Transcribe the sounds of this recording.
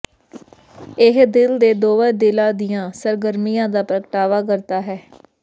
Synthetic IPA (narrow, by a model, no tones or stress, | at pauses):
ɪɦd̪ɪld̪eːd̪oːʋãːd̪ɪlãːd̪ɪjãːsəɾɡəɾmijãːd̪aːpɾəkʈaːʋaːkəɾt̪aːɦɛː